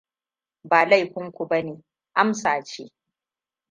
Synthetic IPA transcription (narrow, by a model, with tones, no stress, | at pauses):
baː˨la˦˨jɸɪ˦ŋkʷu˨bɐ˦neː˨ | ʔa˦msaː˨t͡ʃḛː˦